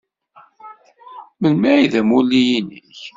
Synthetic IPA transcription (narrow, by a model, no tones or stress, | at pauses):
mənmæiðæmulːijinəç